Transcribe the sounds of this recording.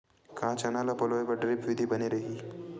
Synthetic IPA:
kãːt͡ʃɐnaːlapɔloːepɐɾɖɾɪpʋɪd̪ʱibɐneɾɐɦiː

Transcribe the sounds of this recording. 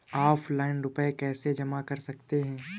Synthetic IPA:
aːpʰlaːɪnɾʊpəekɛːsed͡ʒɐmakɐɾsɐkt̪eɦɛ̃ː

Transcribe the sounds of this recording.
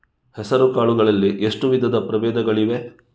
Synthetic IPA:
hɛsɐɾukaːɭuɡɐɭɐlːiʔeʂʈuʋid̪ʱɐd̪ɐpɾɐʋeːd̪ɐɡɐɭiʋe̞

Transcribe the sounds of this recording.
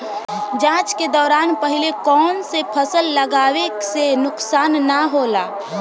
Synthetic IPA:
d͡ʒãːt͡ʃked̪ɔːɾaːnpəɦɪlekɔːnsepʰəsəlːəɡaːwesenʊksaːnːaɦoːlaː

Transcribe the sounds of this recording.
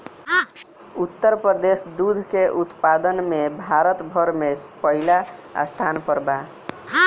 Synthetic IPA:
ut̪ːəɾpəəd̪esd̪ud̪ʱkeʔut̪pad̪ənmebʱaɾət̪bʱəɾmespəɦila̰st̪ʰanpəɾba

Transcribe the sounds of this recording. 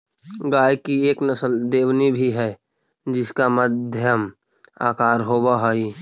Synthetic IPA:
ɡaːjkieːknəsəld̪eːwnibʱiɦɛ | d͡ʒɪskamədd̪ʱjəm | a̰ːkaːɾɦoːbaɦoi

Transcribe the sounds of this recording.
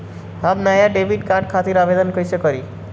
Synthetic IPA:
ɦabmajaɖebʱiɖkãʈ̚kʰat̪iɾabed̪ənkəjsekɔɾi

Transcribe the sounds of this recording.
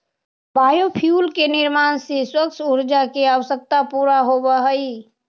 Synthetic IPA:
bajopʰjulkenɪɾmaːnseswəkt͡ʃʰuɾd͡ʒakeaʋəsək̚t̪apuɾaɦobəɦəi

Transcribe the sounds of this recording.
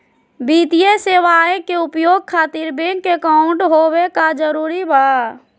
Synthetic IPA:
biːt̪ijeseːʋaːẽkeʊpjoːɡ̚kʰaːt̪iɾbẽŋekaʊ̃ɳʈɦowekad͡ʒəɾuːɾibaː

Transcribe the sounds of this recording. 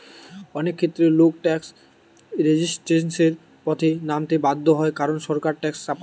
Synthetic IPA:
ɔnekʰːet̪ːɾeluk̚ʈɛks | ɾed͡ʑisʈɾenseɾ | pɔt̪ʰenamt̪ebad̪ʱːoɦɔekaɾonʃɔɾkaɾʈɛkst͡ɕap

